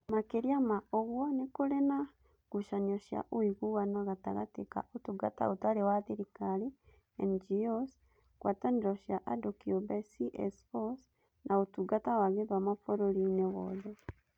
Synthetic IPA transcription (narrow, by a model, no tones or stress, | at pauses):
makeɾiamaoɣwonekoɾena | ɣuʃanioʃja̰ʔoiɣuwanaɣataɣa̰teka̰otuɡa̰ta̰otaɾewaðiɾikali | end͡ʒios | kwataniɾoʃjaʔadokiobesiʔḛsfos | nʔaotuɡatawaɣeðwamafoɾoɾineβɔðe